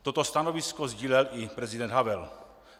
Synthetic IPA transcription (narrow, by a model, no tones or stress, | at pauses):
t̪ot̪ost̪anoviskozɟiːlɛlɪpɾɛzidɛnd̪ɦavɛl